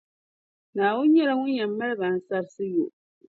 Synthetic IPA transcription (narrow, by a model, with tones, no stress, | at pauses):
naː˨wʊ˦n˦ɲɛ˦la˦ŋʊ˦nɲa˨mːa˦lɨ˦ba˨n̩˨sa˦ɾsɨ˦jo̰˨ʔ